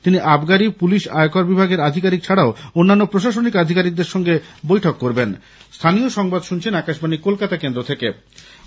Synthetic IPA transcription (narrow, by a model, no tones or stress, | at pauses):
t̪iniʔabɡaɾipuliʃaokaɾbibʱaɡeɾad̪ʱikaɾik̚t͡ɕʰaɽaoonːanːopɾoʃaʃonikad̪ʱikaɾik̚d̪eɾʃɔŋɡebojʈʰokːoɾben | st̪ʰanioʃɔŋbad̪ʃunt͡ɕʰenakaʃbanikolkat̪akend̪ɾot̪ʰeke